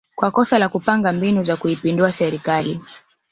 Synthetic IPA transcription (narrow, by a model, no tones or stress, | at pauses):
kwakɔsalakupaŋɡambinuzakuipinduasɛɾikali